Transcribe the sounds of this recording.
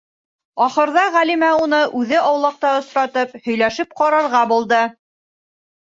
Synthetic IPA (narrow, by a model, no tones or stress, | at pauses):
ɒχɤ̆ɾðɑʁælimæunɤʔʉðɘʔɑwlˠɑq̚t̪ɑɤ̆sɾɑt̪ɤphɵ̆jlæʃɘp̚qɑɾɑɾʁɑbulˠd̪ɤ